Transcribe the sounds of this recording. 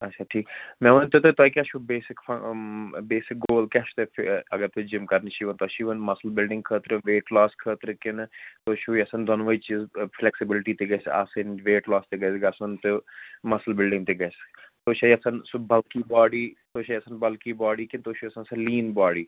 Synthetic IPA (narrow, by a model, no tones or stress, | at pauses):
ɐtt͡ʃʰʃʰaːʈʰiːkmɛ̃unt̪ot̪ot̪okʲɐt͡ʃʰubeːsɪkfʰ | beːsɪk̚ɡoːlkɛʃt̪efɐɡəɾt̪ud͡ʒɪmkɐɾnʃiʋɐnt̪oʃiʋɐnmɐsəlbɪlɖɪ̃ŋkʰət̪ɾɨʋeːʈlɔːskʰəːt̪ɾkɪnt̪oːʃʰuːiɐsɐnd̪ɐnːʋɐit͡ʃiːzflɛksɪbɪlʈit̪eɡɐsa̰sɐnʋeːʈlɔːst̪eɡɐsɡɐsɐnt̪umɐsəlbɪlɖɪ̃ŋɡt̪eɡɐst̪oːʃaiɐsɐnsbɐlkiːbɔːɖiːt̪oːʃʰaiɐsɐnbɐlkiːbaːɖiːkɪnt̪oːʃʰuɐsɐ̃nsɐliːnbaːɽiː